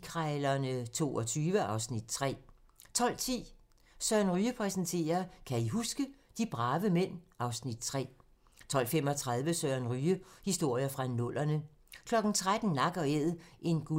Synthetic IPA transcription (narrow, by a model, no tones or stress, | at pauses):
kʰʁɑɪlɐnət͡sʰo̝̰ːɒt͡sʰyːʋəʔɑ̈ʊsnid̥t͡sʰʁɛ̰ː | t͡sʰɒ̽l̰t͡sʰḭː | sɶɐnʁyːəpʰʁɛsən̩t͡sʰe̝̰ːɐkʰæiɦusɡ̥əd̥ib̥ʁɑ̈ːʋəmen̰ɑ̈ʊsnid̥̚t͡sʰʁɛ̰ː | t͡sʰɒ̽l̰fem̰ɒ̽t͡sʰʁɑð̞ˠʋəsœɐnʁyːəhisd̥o̝ɐ̰jəfʁɑ̈nɔ̽l̰ɐnə | kʰlɒ̽ɡ̥n̩t͡sʰʁad̥n̩ːɑ̈ɡ̥ɐeðˠʔe̝nɡ̥u